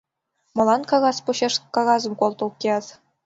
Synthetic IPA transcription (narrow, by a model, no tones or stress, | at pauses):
mɤ̆lˠɑnkɑɣɑspuɕeʂkɑɣɑzɤ̆mkolˠt̪ulˠkʲeɑz